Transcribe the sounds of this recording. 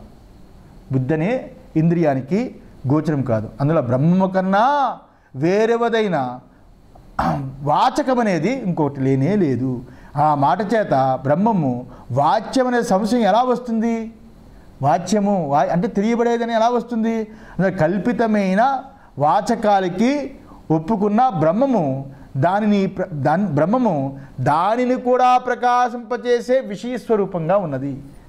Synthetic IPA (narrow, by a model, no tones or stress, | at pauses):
bud̪ːɐneːind̪ɾijaːnikiɡɔːt͡ʃɐnɐmka̰ːd̪uɐnd̪uloːbɾɐmːɐmɐkɐnːaː | ʋeːɾeʋɐd̪ɐjnɐ | ʋaːt͡ʃɐkɐmɐne̞ːd̪iiŋkɔːkɐʈile̞ːneːle̞ːd̪uaːmaːʈɐt͡ʃɛːt̪ɐbɾɐmːɐmuʋaːt͡ʃjɐmɐneːsɐmsɐjɐmɛlaːʋɐst̪und̪i | ʋaːt͡ʃjɐmuʋaːɐɳʈe̞ːt̪elijɐbɐɽeːd̪ɐniɛlaːʋɐst̪und̪iɐnɐkɐlpit̪ɐmɐjnɐ | ʋaːt͡ʃɐkaːlɐki | opːukunːɐbɾɐmːɐmu | d̪aːninipɾɐd̪aːnibɾɐmːɐmud̪aːninikuːɽaːpɾɐkaːʃɐmpɐt͡ʃeːse̞ːʋiʂɐjɐsʋɐɾuːpɐŋɡaːunːɐd̪i